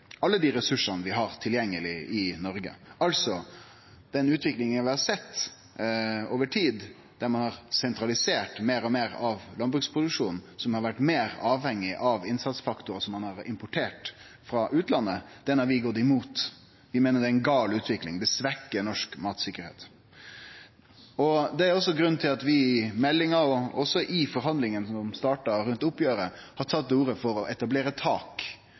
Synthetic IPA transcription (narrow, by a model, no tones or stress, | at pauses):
ɑlːəd̪iːɾɛsʉʂɑnəʋɪɦɑɾt̪ʰɪljɛŋːəlɪɪnɔɾɡə̰ɑlsɔ | d̪̥ɛnʉːt̪ʋɪklɪŋənʋɪhɑɾsɛt̪ː | oːʋəʈʰiːd̪ | d̪̥æɾmɑnhɑɾsɛnt̪ɾɑlɪseːʈmeːɾɔmeːɾɑʋlɑnbɾʉːkspʰɾʊd̪ʉkʂuːnn̩sɔmhɑɾʋæʈːmeːɾɑːʋhɛŋːɪʔɑʋɪnsɑt̪sfɑkt̪ʊɾəsɔmːɑnhɑɾɪmpʊʈʰeːʈ | fɾɑʔʉːt̪lɑnːəd̪̥ɛnːɑɾʋɪɡɔt̪ːɪmuːt̪ | ʋɪmeːnəɖ̪ɛæɪnɡɑːlʉːt̪ʰʋɪklɪŋd̪ɛsʋækːənɔʂkmɑːt̪sɪkːəɾhḛːt̪ | ɔd̪ɛæɾɔsːɔɡɾʉnt̪ʰɪlɑt̪ʋɪmɛlːɪŋɑɾɔɔsːɔʔɪfɔɾɦɑnd̪lɪŋənsɔmd̪ɔmst̪ɑːʈɑɾʉnt̪ʊpːjøːɾə | hɑɾt̪ʰɑt̪ːuːɾəfɔɾɔʔɛt̪ɑbleːɾət̪ʰɑːk